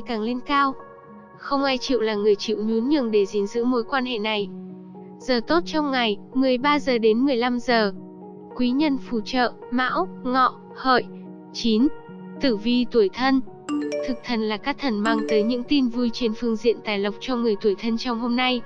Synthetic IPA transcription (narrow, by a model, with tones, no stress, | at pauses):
jkaː˨˩ŋle˧nkaː˧w | xə˧wŋ͡mʔaː˧jt͡ɕḭ˧˨wlaː˨˩ŋɨ˨˩əjt͡ɕḭ˧˨wɲu˨˦nɲɨ̰˧˩əŋɗe˧˩zi˨˦nzɨ̰˧˥mo˨˦jkwaː˧nhḛ˧˨na˨˩j | zəː˨˩t̪o˦˥t̚t͡ɕɔ˧wŋ͡mŋa˨˩jmɨ˨˩əjɓaː˧zəː˨˩ɗe˨˦nmɨ˨˩əjla˧mzəː˨˩ | kwi˨˦ɲə˧nfu˧˩t͡ɕə̰ː˧˨ | ma̰ː˧˥wŋɔ̰˧˨ | hə̰ː˧˨j | t͡ɕi˨˦n | t̪ɨ˧˩vi˧t̪u˧˩əjt̪ʰə˧n | t̪ʰɨ˨˩k̚t̪ʰə˨˩nlaː˨˩kaː˦˥k̚t̪ʰə˨˩nmaː˧ŋt̪əː˨˦jɲɨ̰˧˥ŋt̪i˧nvu˧jt͡ɕe˨˦nfɨ˧əŋzḭ˧˨ənt̪aː˨˩jlə˨˩wk͡p̚t͡ɕɔ˧ŋɨ˨˩əjt̪u˧˩əjt̪ʰə˧nt͡ɕɔ˧wŋ͡mho˧mna˧j